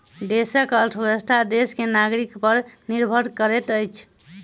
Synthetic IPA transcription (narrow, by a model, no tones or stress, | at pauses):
ɖesəkəlʈʰwesʈad̪eskenaɡɾikpəɾniɾbʱəɾkəɾeʈəjt͡ʃʰ